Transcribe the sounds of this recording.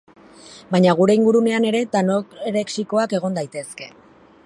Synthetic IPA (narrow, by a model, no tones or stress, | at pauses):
baɲaɣ̞uɾe̞iŋɡuɾune̞ane̞ɾe̞t̪anoeɾe̞ksiko̞ake̞ɣ̞o̞nd̪ajt̪e̞ske̞